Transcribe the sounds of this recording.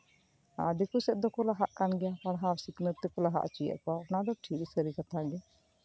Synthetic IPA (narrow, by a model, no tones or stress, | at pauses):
a̰d̪ekʰusɛʔ̪̚d̪ɔkɔlaɦaʔkanɡɛjapaɽɦawsiknət̪ːɛkɔlaɦa̰ʔt͡ʃijə̰ʔkɔanad̪ɔʈʰik̚səɾikat̪ʰaɡɛ